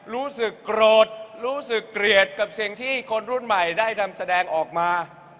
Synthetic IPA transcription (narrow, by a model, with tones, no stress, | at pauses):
ɾuː˦˥sɯ˨˩kːɾoː˨˩t̪̚ɾuː˦˥sɯ˨˩kːɾi˨˩ət̪̚ka˨˩p̚si˨˩əŋt̪ʰiː˥˩kʰo˧nɾu˥˩nma˨˩jdaː˥˩jt̪ʰa˧msa˧dɛː˧ŋʔɔː˨˩k̚maː˧